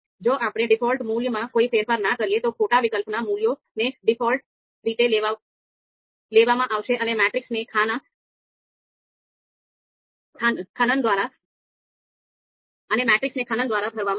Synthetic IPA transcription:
d͡ʒoʔapɽ̃eɖɪfɔlʈmuljəmãkoifeɾfəɾnakəɾijet̪okʰoʈaʋikəlpnamuljo | neɖɪfɔlʈ̚ | ɾit̪elea | leʋamãʔaʋʃeʔənemɛʈɾiksnekʰana | kʰakʰanənd̪ʋaɾa | ənemɛʈɾiksnekʰanənd̪ʋaɾabʱəɾʋamã

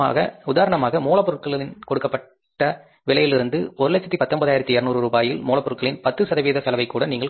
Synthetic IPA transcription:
a̰ːɣɐʊðaːɾɐɳɐmaːɣɐmuːɭɐpɔɾɯɭkɐɭɪnkɔɽɯkːɐpːɐʈːɐ | ʋɪɭɐjɪlɪɾɯnd̪ɯpɔɾɯɭɛt͡ʃːɐt̪ːipɐt̪ːɔnbɐðaːjɪɾɐt̪ːiɛɾɯnuːɾɯɾuːbaːjɪlmuːɭɐpːɔɾɯɭkɐɭɪnpɐt̪ːɯsɐðɐʋiːðɐsɐlɐʋɐɪkːuːɽɐniːŋɡɐɭ

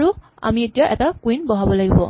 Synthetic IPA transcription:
ɹu | a̰mietijaʔɛ̰takwinbɔɦabɔlaɡibɔ

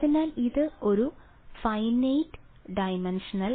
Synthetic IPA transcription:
ðinaːliðɨo̞ɾu | fɐjnejʈː | ɖɐjmenʂɐnɐl

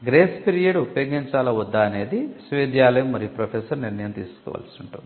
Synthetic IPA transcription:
ɡɾeːspiɾijɐɖupɐjoːɡiɲt͡ʃaːlɐud̪ːaːɐne̞ːd̪isʋeːd̪jaːlɐjɐmːɐɾijupɾɐpʰeːsɐɾniɾnɐjɐmt̪ḭːsu̥kɔ̰ːʋa̰ːlsiuɳʈui

